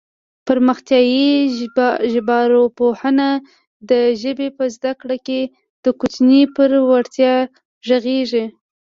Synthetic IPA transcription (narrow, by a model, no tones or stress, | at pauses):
pəɾməxt̪jɑji | ʒɪbɑɾopohəna | d̪əʒəbepəzd̪akɽake | d̪̥əkʊt͡ʃnipəɾwaɽt̪jɑ | ʒəɣeʐi